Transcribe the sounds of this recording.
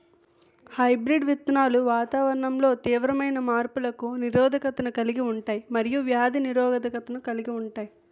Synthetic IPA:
hɐjbɾiɖʋit̪naːluʋaːt̪aːʋɐɾɐɳɐmlo̞ːt̪iːʋɾɐmɐjnɐmaːɾpulɐkuniɾɔːd̪ʱɐkɐt̪ɐnukɐliɡiuɳʈaːjimɐɾijuʋjaːd̪ʱiniɾɔːɡɐd̪ʱɐkɐt̪ɐnukɐliɡiuɳʈaːji

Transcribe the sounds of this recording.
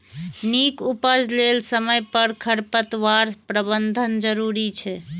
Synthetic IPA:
nikupəd͡ʒlelsəməjpəɾkʰəɽpət̪ʋaɾpɾəbənd̪ʱənd͡ʒəɾuɾit͡ʃʰɛ

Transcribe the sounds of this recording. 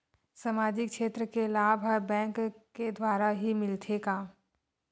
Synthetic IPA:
sɐmaːd͡ʒɪkʃeːt̪ɾəkelaːbʱɦəɾbɛ̃ːŋkːed̪waːɾaɦimɪlt̪ʰeɡaː

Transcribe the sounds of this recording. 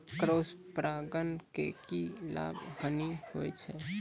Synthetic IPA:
kɾospɾaɡənkekila̰bʱhənihojt͡ʃʰɛ

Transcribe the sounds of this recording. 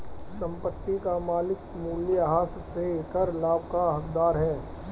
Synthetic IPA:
sɐ̃mpət̪ːikamaːlɪk | muːljɦaːsseekəɾlaːb̚kaɦɐkd̪aːɾɦɛː

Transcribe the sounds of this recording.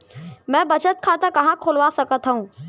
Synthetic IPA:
mɛ̃ːbɐt͡ʃət̪̚kʰat̪əkɐɦãkʰoːlʋasɐkət̪ʰɦəũː

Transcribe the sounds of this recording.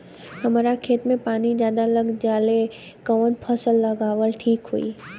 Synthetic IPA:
hɐmaːɾakʰeːt̪mẽpaːnizjaːd̪aləɡd͡ʒaːle | kəʋənpʰəsəlːɐɡaːʋəlʈʰiːkɦṵḭː

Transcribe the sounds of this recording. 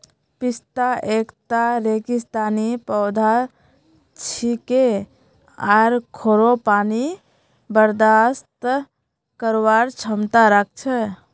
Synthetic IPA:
pist̪aʔekt̪aɾekist̪anipəwd̪ʱa | t͡ʃʰike | aɾkʰoɾopani | bəɾd̪ast̪ | kəɾwaɾt͡ʃʰəmt̪aɾək̚ʰt͡ʃʰɛ

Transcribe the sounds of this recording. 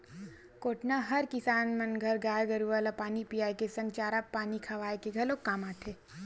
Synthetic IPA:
koːʈnaɦɐɾkɪsaːnmɐnɡʱɐɾɡaːjɡɐɾuʋaːlapaːnipijaːjkesɐ̃ŋɡt͡ʃaːɾapːaːnikʰɐʋaːekeɡʱɐlokːaːmaːʈʰeː

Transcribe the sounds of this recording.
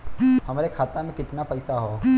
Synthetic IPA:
hɐmaːɾekʰaːt̪amẽkɪt̪napɐjsaɦo

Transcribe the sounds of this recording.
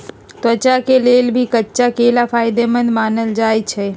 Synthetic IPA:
t̪ət͡ʃakelelbʱikətːʃakelapʰaːɪd̪emənd̪maːnəld͡ʒaːjt͡ʃʰɛ

